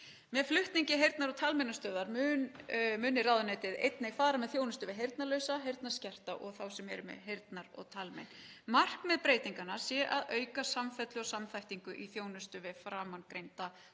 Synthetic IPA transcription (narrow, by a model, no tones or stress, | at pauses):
mɛðflʏht̪niɲcɪɦejɾt̪naɾɔt̪ʰalmɛnːast̪œːðaɾmʏnmʏːnɪraːwðʏnaːjt̪ɪðḛjt̪nɪɣfaːɾamɛðθjoːwnʏst̪ʏvɪɦejɾt̪nalœːɥsaɦejɾt̪nḁscɛr̥t̪aʔɔ̰ɣθawsɛmɛɾʏmɛ̰ðɦejɾt̪naɾɔ̰ɣt̪ʰalmɛ̰nmar̥kmɛðpɾeːjt̪iŋkanasjɛʔaðœːɥkasamfɛt̪lʏɔsamθajht̪iŋkʏʔiθjoːwnʏst̪ʏvɪfɾaːmankɾejnt̪a